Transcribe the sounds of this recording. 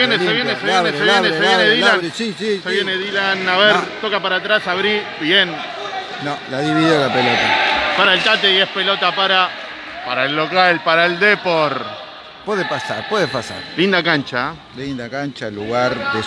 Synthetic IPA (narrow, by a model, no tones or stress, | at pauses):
ejeneeβjeneseneseβjeneseβjeneðilansisiseβjeneðilanaβeɾt̪okapaɾat̪ɾasaβɾibjen | nõlaðiβiðiolapelot̪apaɾaelt̪at̪eiehspelot̪apaɾa | paɾaelːokalpaɾaeld̪epoɾ | pweðepasa̰ɾpweðepasa̰ɾlind̪ak̬ant͡ʃa | lind̪akant͡ʃaluɣaɾde